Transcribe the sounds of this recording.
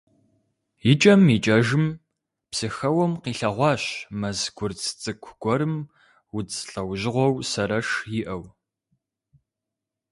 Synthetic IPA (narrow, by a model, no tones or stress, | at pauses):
jɪt͡ʃʼɐmit͡ʃʼɐʒɨm | psɨxɐwɔmqiːɬɐʁʷɑːɕmɐzɡ̥ʷʊrt͡sʰt͡sʼɨkʷʰɡ̥ʷɔɾɨm | wʊt͡sɬɐwʑɪʁʷɔwsɐɾɐʂjɪʔɐw